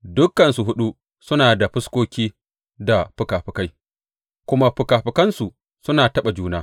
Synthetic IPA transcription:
dʊ˦kːɐ˨nsu˨ɦʊ˦ɗu˦ | sʊ˦naː˨da˨ɸʊ˦skʷoː˦kʲiː˦ | da˨ɸʊ˨kaː˨ɸɪ˨ka˦j | kʷʊ˦ma˦ɸʊ˨kaː˨ɸɪ˨kɐ˦nsu˨ | sʊ˦naː˨tɐ˦ɓa˨d͡ʒuː˦naː˦

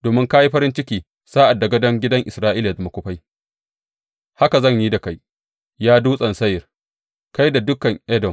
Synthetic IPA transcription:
doː˨mɪ˦ŋka˦ji˦ɸɐ˦ɾɪ˦nt͡ʃɪ˦kʲiː˨ | saː˦ʔa˨dːa˨ɡɐ˦dɐ˦ŋɡʲɪ˦dɐ˦ŋʔɪ˨sɾaː˦ʔiː˦la˨dmɐ˨kʷʊ˦ɸa˦j | ha˦ka˨zɐ˦˨ɲjiː˦da˨ka˦j | jaː˦duː˦sʼɐ˨nsɐ˦jɪ˨r | ka˦jda˨dʊ˦kɐ˨ŋʔɛ˦dɔ˨m

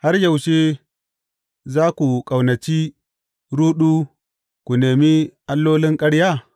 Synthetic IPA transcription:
ha˦ɾja˨wʃeː˦ | zaː˦ku˨kʼa˨wnɐ˨t͡ʃiː˦ | ɾuː˦ɗu˦ | kʷu˨neː˨mi˦ʔa˦lːoː˦lɪ˦ŋkʼɐ˦ɽja˦˨

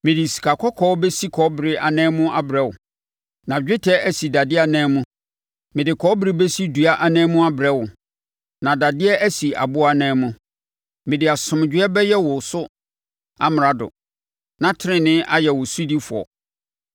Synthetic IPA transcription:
mɪ̃˨di˨si̥˨kʰa˨kʰɔ˦kʰɔː˦bɛ˦si˦kʰɔ˨˦bɪ˨ɾɪ˦ʔa˨nɛ̃ː˦mʊ̃˦ʔa˦bɾɛ˦wʊ̰˨ | nã˨d͡ʑᶣɪ˦tʰɛ˦æ˦si˨da˨dɪ˦a˨nɛ̃ː˦mʊ̃˦ | mɪ̃˨dɪ˨kʰɔː˨˦bɾɪ˦bɛ˦si˦du˨a˦ʔa˨nɛ̃ː˦mʊ̃˦a˦bɪ˨ɾɛ˦wʊ˨ | nã˨da˨dɪ˦ɛ˦ʔæ˦si˨a̰˨bʊ˦a˨nɛ̃ː˦mʊ̃˦ | mɪ̃˨dɪ˨a˨sʊ̃˨m˨d͡ʑᶣɪ˦ɛ˦bɛ˦jɛ˦wʊ˨sʊ˦ | a̰˦m˨ɾa˨dʊ̰˨ | nã˨tʰɾɪ̃˦nɪ̃˦ʔa˦jɛ˨wʊ˨su˦di˦fʊ˨ɔ̰˨

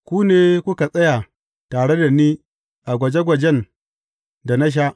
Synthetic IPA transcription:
kʷuː˦neː˦kʷʊ˦ka˨sʼɐ˦ja˨ | taː˨ɽe˦da˨niː˦ | ʔa˨ɡʷɐ˨d͡ʒɛ˦ɡʷɐ˨d͡ʒɛ˦n | da˨na˦ʃ̬a˦ʔ

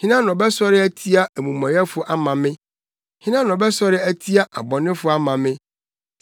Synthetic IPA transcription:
hĩ˦nã˦nɔ̃˨bɛ˦sɔ˦ɾɪ˦æ˦tʰi˦a˦ʔæ˨mũ˨mã˨jɛ˦fʊ˦ʔa˦mã˨mɪ̃˦ | hĩ˦nã˦nɔ̃˨bɛ˦sɔ˦ɾɪ˦æ˦tʰi˦a˦ʔa̰˨bɔ̃˨nɪ̃˦fʊ˨˦a˦mã˨mɪ̃˦

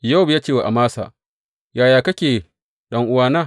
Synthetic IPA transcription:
ja˦wbjaː˦t͡ʃeː˦˨wa˨ʔa˨maː˦sa̰ː˨ | jaː˨jaː˨kɐ˦kʲeː˨ | ɗɐ˦ŋʔʊ˦waː˦naː˦˨

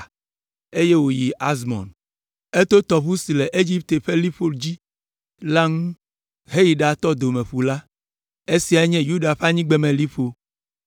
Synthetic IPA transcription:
e˦je˦wo˨ji˨ʔa˦zmɔ̰̃˨n | e˦t̪o˦t̪ɔ˨ɸu˦si˨lɛ˨ʔe˦d͡ʑi˦p̚t̪e˨ɸe˦li˦ɸo˦ld͡ʑi˦ | la˦ŋũ˦ | ɦe˦ji˨ɖa˨t̪ɔ˦d̪o˨mɛ̃˨ɸu˨la˦ | e˦si˨˦a˨˦ɲɛ̃˦ju˦ɖa˨ɸa˦ɲĩ˦ɡ͡be˨˦mɛ̃˨li˦ɸo˦

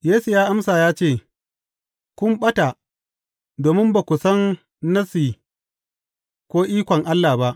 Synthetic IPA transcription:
jeː˦su˨jaː˦ʔa˦msaː˨jaː˦t͡ʃeː˦˨ | kʷʊ˦mɓɐ˦ta˨ | doː˨mɪ˦mba˨kʷʊ˨sɐ˦nː | ɐ˦siː˨ | kʷoː˦ʔiː˦kʷɔ˨ŋʔa˦lːa˨ba˦ʔ

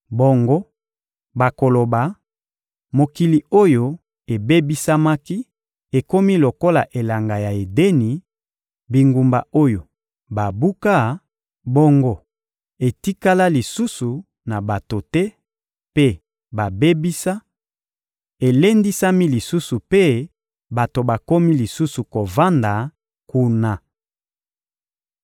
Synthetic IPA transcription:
bo˨ŋɡo˦ | ba˨ko˨lo˨ba˨ | mo˨ki˨li˨o˦jo˦ | e˨be˦bi˦sa˦ma˦ki˦ | e˨ko˦mi˦lo˨ko˦la˨ʔe˨la˨ŋɡa˨ja˨e˨de˦ni˨ | bi˨ŋɡu˨mba̰˨o˦jo˨ | ba˨bu˦ka˦˨ | bo˦ŋɡo˦ | e˨ti˦ka˦la˦li˨su˦su˨ | na˨ba˨to˨tɛ˦ | pe˦ | ba˨be˦bi˦sa˦ | e˨le˦ndi˦sa˦mi˦li˨su˦su˨pe˦ | ba˨to˨ba˨ko˦mi˦li˨su˦su˨ko˨va˦nda˨ | ku˦na˨

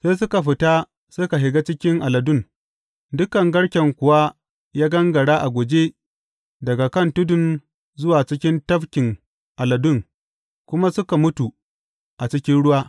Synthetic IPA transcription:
seː˦s̬ʊ˦ka˨ɸɪ˨ta˦ | sʊ˦ka˨ɦɪ˨ɡa˦t͡ʃɪ˦kʲɪ˦ŋʔa˨lɐ˨dʊ˦˨n | dʊ˦kɐ˨ŋɡɐ˦ɽkʲɛ˨ŋkʷʊ˨wa˦ | jaː˦ɡɐ˦ŋɡɐ˨ɽaː˦ʔa˨ɡʷoː˨d͡ʒe˦ | dɐ˨ɡa˨kɐ˦˨ntʊ˦dʊ˨n | zʊ˦waː˨t͡ʃɪ˦kʲɪ˦ntɐ˦ɸkʲɪ˨ŋ | ʔa˨lɐ˨dʊ˦ŋ | kʷʊ˦ma˦sʊ˦ka˨mʊ˦tu˨ | ʔa˨t͡ʃɪ˦kʲɪ˦nɽʊ˦waː˦

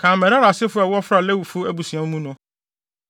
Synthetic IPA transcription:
kʰãː˨mɛ˨ɾa˦ɾa˨sɪ˦fʊ˦a˨wʊ˦ɔ˦fɾa˨lɛ˦wu˨fu˦æ˦bu˨sĩ˨a˨m̩˦mũ˦nʊ̃˨

